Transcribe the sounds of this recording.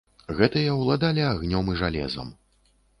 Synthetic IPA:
ɣɛt̪ɐjɐwlˠad̪alʲiaɣnʲɔmiʐalʲɛ̰zɐ̰m

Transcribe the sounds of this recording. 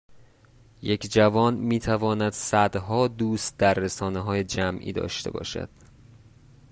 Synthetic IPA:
je̞cʰd͡ʒævɒːnmiːt̪ʰævɒːnæd̪̥sæd̪ɦɒːd̪uːst̪̚d̪æɾːesɒːneɦɒːjed͡ʒæmʔḭːd̪ɒ̰ːʃt̪ʰe̞̰bɒ̰ːʃæ̰d̪̥

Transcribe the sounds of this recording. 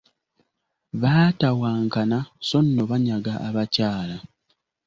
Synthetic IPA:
βaːtawaːŋkanaso̞nːoβaɲaɡaʔaβacaːla

